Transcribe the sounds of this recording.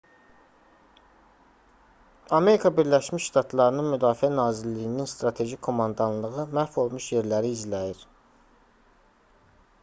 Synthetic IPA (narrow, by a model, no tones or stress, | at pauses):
ɑme̞ɾikʰɑbiɾlæʃmiʃʃt̪ʰɑt̪ʰlˠɑɾɯnɯnmyd̪ɑːfiænɑːzilːijininst̪ɾɑt̪ʰe̞ʒikʰːo̞mɑnd̪ɑnlˠɯʁɯmæɾfo̞lˠmuʃje̞ɾlæɾiːzlæjiɾ